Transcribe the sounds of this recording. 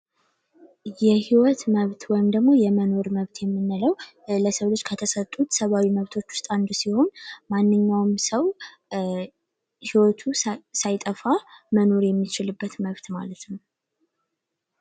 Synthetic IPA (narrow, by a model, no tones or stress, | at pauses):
jɛhiwɔt̪məβt̪wɔjmd̪əɡmo̞jɛməno̞ɾməβt̪ʰjɛmːɨnːɨləw | ləsəwlot͡ʃːkʰət̪ʰəsət̪ʼːut̪səβawiməβt̪ʰo̞t͡ʃːwʊst̪ʼand̪usiho̞nmanːɨɲːawmsəw | hiwɔt̪ʰusajt̪ʼəfaməno̞ɾjɛmːit͡ʃɪlɨbːət̪məβt̪ma̰lət̪nəw